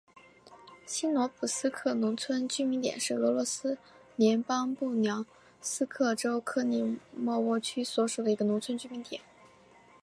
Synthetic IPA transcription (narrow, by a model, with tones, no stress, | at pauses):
ɕʰi˥nwɔ˧˥pʰu˨˩sɹ̩˥kʰɤ˥˩nʊ˧˥ŋt͡sʰwə˥nt͡ɕy˥mi˧˥ŋt̪jɛ̰˨˩nʂɻ̩˥˩ɤ˧˥lwɔ˧˥sɹ̩˥ | ljɛ˧˥npɑ˥ŋpu˥˩njɑ˧˥ʊ | sɹ̩˥kʰɤ˥˩ʈ͡ʂo˥ʊkʰɤ˥˧ni˥˩mwɔ˥˧wɔ˥˩t͡ɕʰy˥swɔ˧˥ʂu˨˩d̪ə˦i˧˥ɡə˧nʊ˧˥ŋt͡sʰwə˥nt͡ɕy˥mi˧˥ŋt̪jɛ˨˩˦n